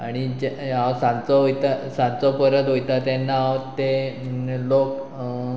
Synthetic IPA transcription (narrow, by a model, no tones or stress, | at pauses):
aɽ̃id͡ʑaasãnt͡sɔɦojt̪asãnt͡sɔpəɾət̪ɦojt̪at̪ɛnːaawt̪e | lok